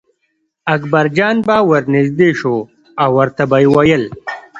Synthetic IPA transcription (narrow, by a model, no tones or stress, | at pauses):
ɐkbɐɾd͡ʑɑːnbawɐɾnɪzd̪eːʃo | awɐɾt̪abaiwɐjəl